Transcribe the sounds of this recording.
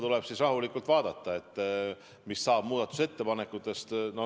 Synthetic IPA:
t̪ule̞b̥sisrɑɦulikːˑult̪vɑːd̪̥ɑt̪ːɑe̞t̪ː | misːɑːb̥muːd̪ɑt̪ːˑu̥se̞t̪ːe̞pɑne̞kːˑut̪ːˑe̞st̪no

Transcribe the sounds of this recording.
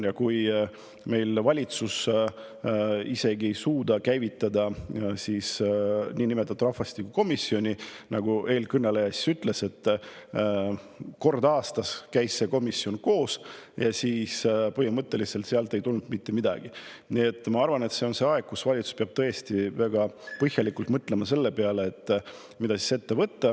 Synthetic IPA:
jɑkuj | me̞jlvɑlʲit̪sus | ise̞ɡie̞jsuːd̪̥ɑkæjvit̪ːˑɑd̪ɑsiːsniːnimet̪ːˑɑt̪ːˑuɾɑhfɑst̪ikːuko̞misːio̞nʲinɑɡ̥uʔe̞ːlkɯnːelejɑsi̥syt̪ːˑle̞se̞t̪ːˑ | ko̞rd̪ɑːst̪ɑskæjsːe̞ko̞misːio̞nko̞ːsjɑsiːspɤhimɤt̪ːe̞lise̞lt̪seɑlt̪ˑe̞jt̪ulnud̪mit̪ːe̞mid̪ɑ̰ɡ̥inie̞t̪ːˑmɑɑrvɑne̞t̪se̞o̞nse̞ɑe̞ɡ̥̚kusvɑlʲit̪su̥speɑb̥̚t̪ɤjest̪ivæɡ̥ɑpɤhjɑlikult̪mɤt̪ˑle̞mɑse̞lːe̞peɑle̞ːt̪ˑː | mid̪̥ɑsi̥se̞t̪ːe̞vɤt̪ːɑ

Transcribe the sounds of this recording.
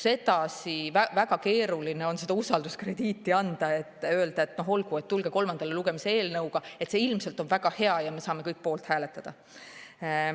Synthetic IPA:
se̞d̪ɑsivævæɡ̥ɑke̞ːɾulineo̞nse̞d̪̥ɑusɑld̪uskre̞d̪̥iːt̪ːˑiɑnd̪̥ɑe̞t̪ːˑøeld̪̥ɑe̞t̪no̞ɦo̞lɡ̥ue̞t̪ːulɡ̥e̞ko̞lmɑnd̪̥ɑleluɡ̥e̞mise̞e̞ːlnɤwɡ̥ɑe̞t̪se̞ːilmse̞lt̪ˑo̞nvæɡ̥ɑhe̞ɑjɑme̞sɑːmekɤjk̚ːpo̞ːlt̪hæːle̞t̪ːˑɑd̪̥ɑ

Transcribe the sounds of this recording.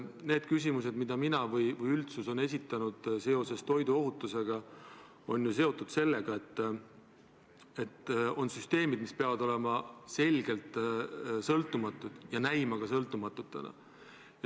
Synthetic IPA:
ne̞ːd̪̥kys̬ʲimus̬e̞d̪mid̪̥ɑminɑvɯjvɯjylt̪suso̞ne̞s̬ʲit̪ːˑɑnud̪̥se̞o̞se̞st̪o̞jd̪uo̞ɦut̪ːˑuse̞ɡ̥ɑ | o̞nʲjus̬e̞o̞t̪ːˑud̪̥se̞lːe̞ɡ̥ɑe̞t̪ˑː | e̞t̪ːo̞nsyst̪e̞ːmid̪mispe̞ɑvɑd̪o̞le̞mɑse̞lʲɡ̥e̞lt̪ˑsɤlt̪ːˑumɑt̪ːˑud̪̥jɑnæjmɑɡ̥ɑsɤlt̪ːˑumɑt̪ːˑut̪ːˑḛnɑ̰ | j

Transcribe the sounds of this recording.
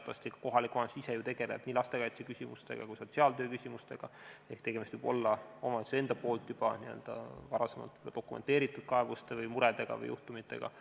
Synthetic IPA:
t̪ːɑst̪ikɑ̥ko̞ɦɑlikːuɑnsise̞jut̪e̞ɡ̥e̞le̞̰b̥niːlɑst̪e̞kɑjt̪sekysʲimust̪e̞̰ɡ̥ɑ̰kujso̞t̪siɑlt̪øːkysʲimust̪e̞ɡ̥ɑe̞hkt̪e̞ɡemist̪viːbo̞lːɑo̞mɑse̞nd̪̥ɑpo̞ːlt̪ˑjub̥ɑniø̞̰ld̪̥ɑ̰vɑɾɑse̞mɑ̰lt̪ːd̪̥o̞kːˑumḛnt̪e̞ːɾit̪ːˑud̪̥̚kɑe̞vust̪evɯjmuɾed̪e̞ɡ̥ɑ̰vɯ̰jṵht̪umit̪ːe̞̰ɡ̥ɑ̰

